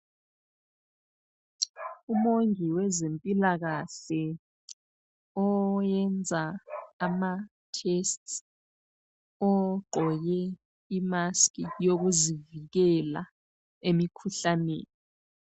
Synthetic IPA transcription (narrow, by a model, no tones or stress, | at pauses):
umoŋiwɛzempʼilaɣ̬aɬɛ | ɔjɛnd͡zʱaːma | tʰɛst | ɔǃʱɔjɛ | imaskʰʼijok̬uzivik̬ɛla̰ | emikʰuɬanḛːni